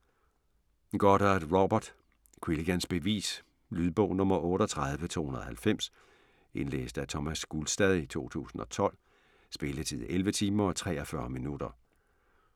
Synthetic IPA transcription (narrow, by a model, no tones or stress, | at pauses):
ɡ̥ɒɾ̥ɑd̥ʁob̥ɐd̥ | kʰwiliɡ̥ænsb̥e̝ʋḭːs | lyðˠb̥ɔ̽ʊnɔ̽mɐʔɔ̽ːɾ̥ɒt͡sʰʁað̞ˠʋət͡sʰo̝̰ːhunɐðˠhælfem̰s | ʔe̝nlḛːsd̥æt͡sʰɒmæsɡ̥ulsd̥ɛðˠit͡sʰo̝̰ːt͡sʰṵːsn̩ɒ̽t͡sʰɒ̽l̰ | sb̥e̝lət͡sʰið̰ˠelʋət͡sʰiːmɐɒ̽t͡sʰʁɛ̰ːɒfɶɐminud̥ɐ